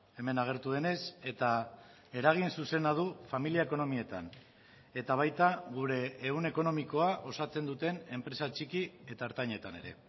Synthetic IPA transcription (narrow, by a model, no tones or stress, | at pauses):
e̞me̞naɣ̞e̞ɾt̪uð̞e̞ne̞se̞t̪a | e̞ɾaɣ̞insuse̞nað̞ufamiliaeko̞no̞mie̞t̪a̰n | e̞t̪aβ̞ajt̪aɣ̞uɾe̞ːune̞ko̞no̞miko̞aʔo̞sat͡se̞nd̪ut̪e̞ne̞mpɾe̞sat͡ʃikie̞t̪aeɾt̪aɲe̞t̪ane̞̰ɾe̞̰